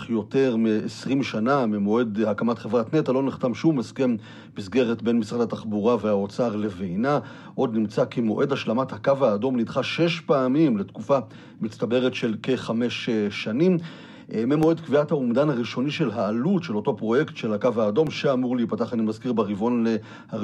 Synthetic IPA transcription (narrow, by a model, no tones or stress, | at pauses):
χjo̞te̞ʁmeesʁimʃanamemo̞e̞dhakamatχevʁatnetalo̞niχtamʃumeske̞m | misɡe̞ʁetbe̞nmisʁadataχbuʁaveaot͡saʁle̞vejna | ʔo̞d̪nimt͡sakemo̞ʔe̞dhaʃlamathakavaːdo̞mnidχaʃe̞ʃpaːmimle̞tkufa | mit͡stabe̞ʁetʃe̞lkeχame̞ʃːanim | memo̞e̞dkviathaumdanhaʁiʃo̞niʃe̞lɦaːlutʃelo̞to̞pʁo̞je̞ktʃe̞lakavaːdo̞mʃeamuʁleipataχanimazkiʁbeʁivo̞nle | ha